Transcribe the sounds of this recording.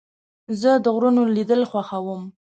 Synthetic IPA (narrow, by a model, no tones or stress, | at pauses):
zəd̪əɣɾunolid̪əlxwaxawəm